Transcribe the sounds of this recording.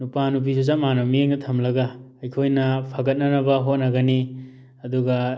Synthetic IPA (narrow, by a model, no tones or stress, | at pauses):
nupanup̬isus̬amanamieŋnɐtʰɐmlɐɡaː | jkʰojnɐpʰaɡɐt̚nɐnɐbɐɦot̚nɐɡɐni | ɐduɡɐ